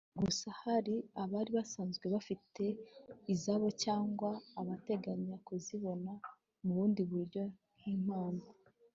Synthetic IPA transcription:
ɡusahaɾiaβaːɾiβasaːnzɡwe̞βafitʰe̞izaβo̞caːŋɡwaːβate̞ɡaɲiɾakuziβo̞na | muβuːndiβuɾjo̞n̥him̥aːna

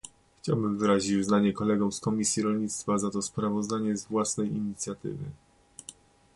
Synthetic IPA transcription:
xt͡ɕa̰wbɘmvɘɾaʑit͡ɕuznaɲɛkɔlɛɡɔmskɔmʲisʲjiɾɔlɲit̪st̪fazat̪ɔspɾavɔzd̪aɲɛzvwasnɛjiɲit̪sʲjat̪ɘ̰vɘ̰

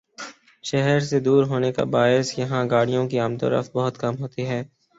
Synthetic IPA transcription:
ʃɛɦɛɾsed̪uːɾɦoːneka̰baːɪsjɐɦãɡaːɽijõkiaːmt̪o̰ːɾə̰ft̪̚bɐɦʊt̪kɐmɦoːt̪iɦɛː

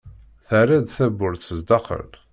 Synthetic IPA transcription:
θaɾæd̪θæbːʊɾθəzd̪ɑχə̰l

